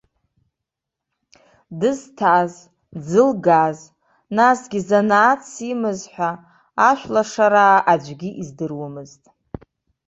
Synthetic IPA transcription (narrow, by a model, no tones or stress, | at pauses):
dɨztʰaz | d͡zɨlɡaz | nasɡʲizanaːt͡sʰimɨzħʷᶣaː | ʃᶣʷlaʂaɾaːʔad͡ʒʷɡʲiʔizdɨrwamɨztʼ